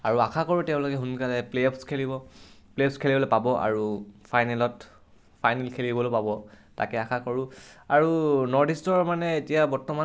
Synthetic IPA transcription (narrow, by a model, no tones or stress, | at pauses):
aɹuakʰakɔɹutɛʊ̃lokɛɦunkalɛplepskʰelibɔplepskʰelibɔlopabɔʔa̰ɹufʰajnɛlɔt | fʰajnɛlkʰelibɔlopabɔ | ta̰kɛaxʰakɔɹuaɹunɔɹdistɔɹmanɛetijabɔɹtɔma